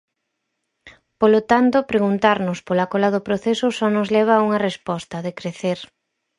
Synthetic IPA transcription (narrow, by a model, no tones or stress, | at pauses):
polot̪ant̪ʊpɾeɣunt̪aɾnʊspolakolaðʊpɾoθesʊsɔnʊzlɛβ̞auŋɐrespɔst̪ɐðekɾeθeɾ